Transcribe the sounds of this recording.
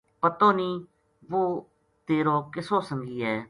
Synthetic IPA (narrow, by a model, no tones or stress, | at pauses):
pət̪õːniː | ʋoː | t̪eːɾoːkɪsõːsəŋɡiːɛː